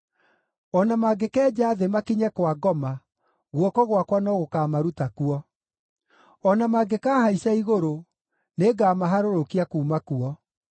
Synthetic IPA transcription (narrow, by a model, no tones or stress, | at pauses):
ɔnamaɡekɛːd͡ʑaːðemakiɲɛkwaɡɔma | ɣwɔkɔɣwakwanɔɣokaːmaɾutakuɔ | ɔnamaɡekaːhaisaiɣoɾo | neɡaːmaɦaɾoɾokiakuːmakuɔ